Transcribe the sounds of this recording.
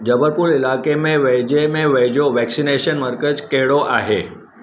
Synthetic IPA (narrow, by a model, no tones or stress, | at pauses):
d͡ʑəbəɾpuɾilakemẽʋəjd͡ʑemẽʋəjd͡ʑoʋɛksineɕənməɾkət͡ʃkeɭoʔaɦe